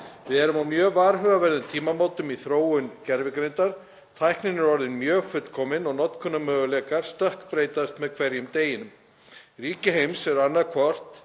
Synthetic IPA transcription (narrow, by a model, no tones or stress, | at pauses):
vɪðɛɾʏmawmjœːvaːɾɦœɣavɛɾðʏmt̪ʰiːmamoːwt̪ʏmiθɾoːwʏncɛɾvɪkɾejnt̪aɾ̥ | t̪ʰajhknɪnɪɾɔɾðɪnmjœːɣfʏt̪kʰɔːmɪnɔɣnɔt̪kʰʏnːamœːɣʏlɛːkaɾ̥st̪œhkpɾeːjt̪ast̪mɛðkʰvɛɾjʏmt̪eːjɪnʏm | riːcɪɦejmsɛɾanːaðkʰvɔr̥t̪